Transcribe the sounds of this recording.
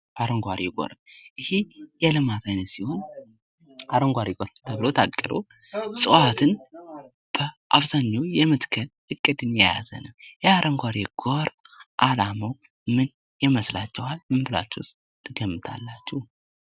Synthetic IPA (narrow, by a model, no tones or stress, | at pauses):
aɾəŋɡʷaɾiɡʼo̰ɾəʔɨhejɛlɨmat̪ʰajnət̪siho̞n | aɾəŋɡʷaɾiɡʼoɾt̪ʰəβlot̪ʰakʼːɨɾo̰ | sʼɨwat̪ʰɨn | b̥əʔaβzaɲːawjɛmɨt̪kʰənhɨkʼːɨd̪ɨnjɛja̰zə̰nəwjɛaɾʔəŋɡʷaɾiɡ̥oɾʔalaməw | mɨn | jɛməslat͡ʃːɛhalmɨmbɨla̰t͡ʃːɛws | t̪ʰːɨɡəmːɨt̪ʰa̰lːat͡ʃːɛh